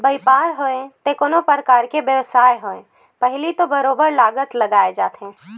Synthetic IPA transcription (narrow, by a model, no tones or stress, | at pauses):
bəipaɾɦoẽt̪ekonopəɾəkaɾkebjəʋsaeɦoẽ | pəɦɪlit̪obəɾobəɾlaɡət̪ləɡaed͡ʒa̰ːt̪ʰẽ